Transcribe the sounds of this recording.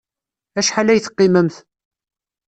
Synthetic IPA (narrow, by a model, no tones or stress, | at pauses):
æʃħalæjθə̥qːiməmθ